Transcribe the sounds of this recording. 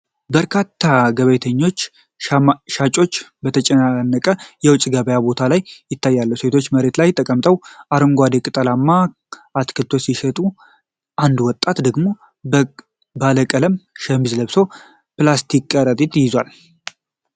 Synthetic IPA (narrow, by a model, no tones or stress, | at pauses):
bəɾkʰat̪ʰːaɡəβəjt̪ʰəɲːo̞t͡ʃː | ʃat͡ʃʼo̞t͡ʃːbət̪ʰət͡ʃʼɛnanːəkʼəjɛwʊt͡ʃʼɡəβəjabo̞t̪ʰalajːɪt̪ːajːalːəwuse̞t̪ʰo̞t͡ʃːməɾe̞t̪lajt̪ʼːəkʼəmt̪ʼəwʔaɾɨŋɡʷad̪ekʼɨt̪ʼəlamːa | ʔat̪kʰɨlt̪ʰo̞siʃɛt̪ʼu | ʔand̪wɔt̪ʼːat̪d̪əɡmo̞ | baləkʼələmʃəmizləβso̞ | plast̪ʰikʼːəɾət̪ʼit̪ʼjɪzwal